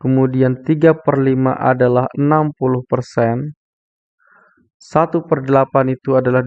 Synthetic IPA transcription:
kəmudiant̪iɡapərlima̰ʔa̰dalahənampulʊhpərsɛn | sat̪upərdəlapanit̪uadalah

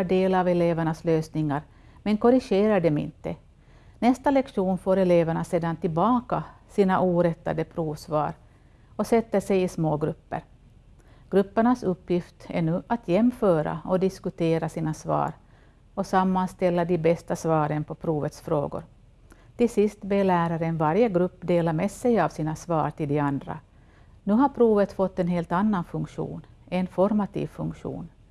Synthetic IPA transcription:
ɖeːlavɛleːvæɳasløːsnɪŋːaɾ | mɛnkɔɾɪɧeːɾaɖɛmɪ̰nt̪ːə | nɛst̪alɛkʂuːnfoːɾɛleːvæɳaseːd̪ant̪ɪlbɑːkasiːnaʔuːɾɛt̪ːa̰d̪əpʰɾuːvsvɑ̰ːɾ | ɔsɛt̪ːəʂɛjɪsmoːɡɾɵpːə̰ɾ | ɡ̥ɾɵpːəɳasɵpːjɪft̪ɛɳʉ̟ːʔat̪ʰjɛmːfœːɾa̰ɔd̪ɪskɵt̪ʰeːɾasiːnasvɑ̰ːɾ | ɔsamːanst̪ɛlːad̪ɪbɛst̪asvɑːɾənpʰɔpʰɾuːvət̪sfɾo̰ːɡʊ̰ɾ | t̪ɪlsɪst̪belæːɾaɾənvaɾjəɡɾɵpːd̪eːlamesɛjavsiːnasvɑ̰ːɾʈ̪ɪld̪ɛand̪ɾa̰ | nʉ̟ːɦaɾpʰɾuːvət̪fɔt̪ːɛnɦeːlt̪anːanfɵŋkɧṵːn | ɛnfɔɾmat̪ʰḭːvfɵŋkɧṵːn

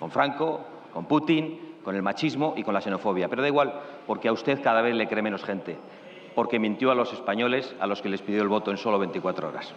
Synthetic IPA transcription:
ko̞ɱfɾaŋko̞ | ko̞mput̪iŋko̞ne̞lmat͡ʃizmo̞ʔiko̞nlase̞no̞fo̞β̞japeɾoðaiɣwalpo̞ɾkeaust̪e̞θkaðaβ̞e̞θle̞kɾe̞me̞no̞sχe̞nt̪e̞ | po̞ɾke̞mĩnt̪joalo̞se̞spaɲo̞le̞sa̰lo̞ske̞le̞spiðjo̞elβo̞t̪o̞e̞nso̞lo̞βe̞nt̪ikwat̪ɾoo̰ɾa̰s

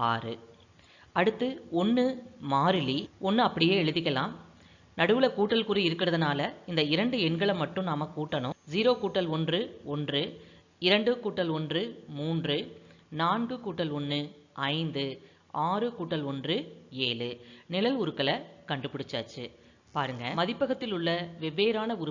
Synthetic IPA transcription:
aːrɯ | ɐɽɯt̪ːɯɔnːɯmaːɾɯliɔnːɯɐpːɐɽɪjeːɛɻɯðɪkːɐlãːm | nɐɽɯʋɯɭɐkuːʈːɐlkuɾiɪɾɯkːɪɾɐðɐnaːlɐɪnd̪ɐɪɾɐɳɖɯɛɳɡɐɭɐmɐʈːɯ̃mnaːmɐkːuːʈːɐnʊ̃ziːɾoːkuːʈːɐlɔndrɯɔndrɯ | ɪɾɐɳɖɯkuːʈːɐlɔndrɯmuːndrɯnaːnɡɯkuːʈːɐlɔnːɯɐɪnd̪ɯ | aːrɯkuːʈːɐlɔndrɯeːlɯnɪlɐlʊɾɯkːɐɭɐkɐɳɖɯpːɪɽɯt͡ʃːa̰ːt͡ʃːɯ̰ | paːɾɯŋɡɐmɐðɪpːɐɣɐt̪ːɪlʊɭːɐʋɛʋːeːɾaːnɐʊɾɯ

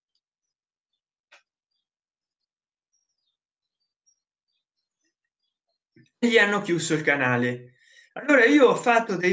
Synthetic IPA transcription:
ʎːianːokjusoilkanaːle | alːoːɾaiːoɔfːat̪ːod̪ej

